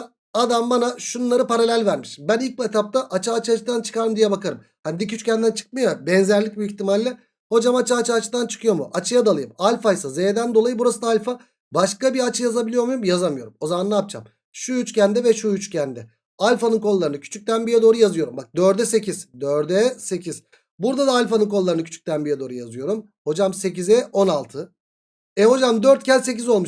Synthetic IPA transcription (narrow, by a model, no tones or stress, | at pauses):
ad̪ambanaʃunnːˠaɾɯpaɾalʲælʲvæɾmiʃbænilʲc̚biet̪ʰap̚t̪aʔat͡ʃʰɯaːt͡ʃʰɯat͡ʃʰɯd̪ant͡ʃʰɯ̥kaɾɯmd̪ijɛbakaɾɯm | hanid̪icʰyt͡ʃy̥cʰʲænd̪ænt͡ʃʰɯ̥k̚mɯjabɛnzæɾlʲic̚biːçt̪imalʲːɛ | ho̞d͡ʒamat͡ʃaːt͡ʃʰɯat͡ʃɯd̪ant͡ʃʰɯ̥kʰɯjo̞muʔat͡ʃʰɯjad̪alˠɯjɯmalʲfajsazed̪ænd̪o̞lˠajɯbuɾasɯd̪aalʲfa | baʃkabiat͡ʃʰɯjazabilʲijo̞ɾmujumjazamɯjo̞ɾumo̞zamanlˠaːp̚t͡ʃʰa̰m | ʃuyt͡ʃcænd̪ɛvɛʃuyt͡ʃcʰænd̪ɛ | alʲfanɯnkʰo̞lˠːaɾɯnɯcʰy̥t͡ʃʰyc̚ʲt̪ʰænbijɛd̪o̞ːɾujazɯjo̞ɾumbak̚d̪øɾd̪ɛse̞cʰiz̥d̪øɾd̪ɛse̞cʰiz̥ | buɾd̪ad̪aːlʲfanɯnkʰo̞lˠːaɾɯnɯcʰy̥t͡ʃʰy̥c̚ʲt̪ʰænbijɛd̪o̞ːɾujazɯjo̞ɾum | ho̞d͡ʒamse̞cizɛʔo̞nalˠt̪ʰɯ | ɛho̞d͡ʒamd̪øɾt̪̚cʰæɾse̞c̬izo̞lˠmuʃ